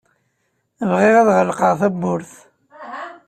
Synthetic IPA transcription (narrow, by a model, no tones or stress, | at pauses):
əvʁɪʁæðʁəlqəʁθæbːʊɾθ